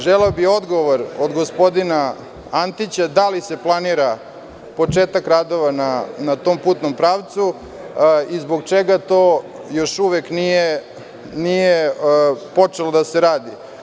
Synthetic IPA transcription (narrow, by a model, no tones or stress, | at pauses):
ʒeleobio̞d̪ɡo̞ʋoɾod̪ɡospo̞d̪ina | ant̪it͡ɕad̪alise̞plˠaniɾa | po̞eːt̪akɾad̪o̞ʋananat̪oːmpuːt̪nompɾaːʋt̪su | izboɡt͡ʃeɡat̪oː | jo̞ʃuʋeknije | nije | po̞t͡ʂelod̪aseɾaːd̪i